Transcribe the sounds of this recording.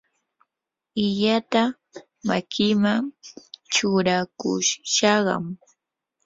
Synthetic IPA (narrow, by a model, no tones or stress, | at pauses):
ɪʎat̪a | makʰɪmaŋt͡ʃʊɾakʊ̰ʃʃɑɢɑ̰m